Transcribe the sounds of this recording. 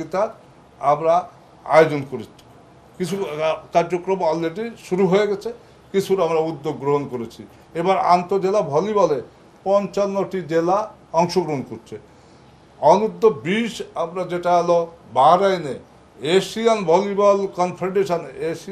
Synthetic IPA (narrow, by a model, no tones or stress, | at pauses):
it̪aɾ | amɾa | a̰jod͡ʑonkoɾet͡ɕʰi̥ | kit͡ʃʰukaɾd͡ʑokɾɔmɔlːeɖiʃuɾuɦojeɡɛt͡ɕʰe | kit͡ʃʰuɾamɾaud̪ːoɡːɾoɦonkoɾet͡ɕʰi | ebaɾa̰nt̪od͡ʑelabʱɔlibɔle | pɔnt͡ʃanːoʈid͡ʑela | ɔŋʃoɡɾoɦonkoɾt͡ʃʰe | ɔnud̪ʱːobiʃamɾad͡ʑeʈaɛlɔbaɾajne | esianbʱɔlibɔlkɔnpʰeɾɖeʃanesi